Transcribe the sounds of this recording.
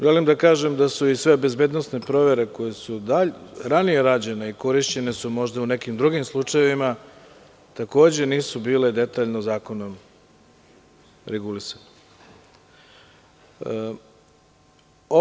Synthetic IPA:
ʒelimd̪akaːʒe̞md̪asuisʋe̞be̞zbe̞ːd̪nosne̞pɾo̞ʋe̞ɾe̞ko̞jesud̪aʎɾanije̞ɾaːd͡ʑe̞neiko̞ɾiʃt͡ɕe̞ne̞sumo̞ʒd̪aune̞kimd̪ɾuɡimslˠut͡ʂaje̞ʋima | t̪ako̞ːd͡ʑe̞niːsubiːle̞d̪e̞t̪aːʎnozaːko̞no̞m | ɾeɡulisane | o

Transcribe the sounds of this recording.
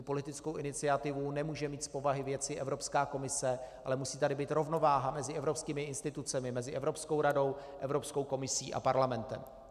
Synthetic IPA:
upo̞lɪt̪ɪt͡sko̞wʔɪnɪt͡sɪat̪ɪvunɛmuːʒɛmiːt̪spo̞vaɦɪvjɛt͡sɪʔɛvɾo̞pskaːko̞mɪsɛʔalɛmusiːt̪adɪbiːt̪ɾo̞vno̞vaːɦamɛzɪɛvɾo̞pskiːmɪɪnst̪ɪt̪ut͡sɛmɪmɛzɪʔɛvɾopsko̞wɾado̞wʔɛvɾo̞pskowko̞mɪsiːʔa̰paɾlamɛnt̪ɛ̰m

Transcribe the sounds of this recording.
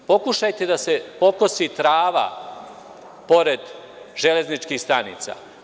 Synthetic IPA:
po̞kuʃajt̪e̞d̪ase̞po̞kosit̪ɾaːʋa̰ | po̞ɾe̞d̪ | ʒele̞znit͡ʃkiːhst̪anḭːt̪sa̰

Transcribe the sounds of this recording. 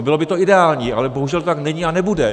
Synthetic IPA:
bɪlo̞bɪt̪oɪdɛaːlɲiːʔa̰lɛboɦuʒɛlt̪ot̪aknɛɲianɛbudɛ

